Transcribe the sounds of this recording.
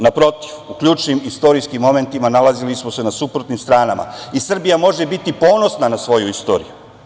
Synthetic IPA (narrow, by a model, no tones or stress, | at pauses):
napɾo̞t̪iʋukʎuːt͡ʃnimist̪o̞ɾiskimːo̞me̞nt̪imanalazilismo̞se̞nasupɾot̪nimst̪ɾaːnama̰isr̩bijamo̞ʒe̞bit̪ipo̞ːno̞snanasʋo̞juist̪o̞̰ːɾḭju